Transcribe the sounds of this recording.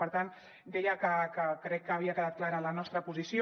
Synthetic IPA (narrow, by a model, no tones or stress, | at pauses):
pəɾt̪an | d̪ɛjəkəkəkɾɛkːəːβ̞iəkəðat̪̚klaɾəːlənɔst̪ɾəpuzisjo